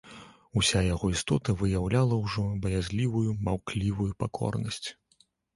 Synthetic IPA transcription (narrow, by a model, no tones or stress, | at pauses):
usʲajaɣɔist̪ɔt̪ɐvɨjawlʲalˠɐwʐɔbɐjazʲlʲivujumawklʲivujupakʰɔ̰rnɐsʲt͡sʲ